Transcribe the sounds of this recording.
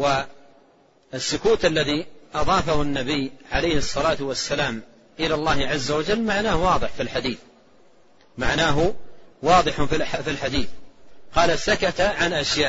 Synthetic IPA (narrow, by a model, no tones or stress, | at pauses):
wa | ɪsːʊkuːt̪ʔalːaðiʔɑðˤɑːfahʊnːabijːʕalajhɨsˤːɑlaːt̪ʊwasːalaːm | ʔɪlaːlˤːɑːhʕazːawad͡ʒalːmaʕnaːhwɑːðˤɨħfilħad̪iːθ | maʕnaːɦʊwɑːðˤɨħʊffilħad̪iːθqɑːlasakat̪aʕanʔaʃjaːʔ